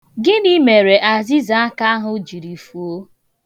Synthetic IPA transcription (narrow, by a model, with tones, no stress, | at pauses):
ɡɪ˦ni˦me˨ɾe˨ʔa˨zi˦za˦a˦ka˦a˦ɦʊ˨d͡ʒi˨ɾi˨fu˨o˦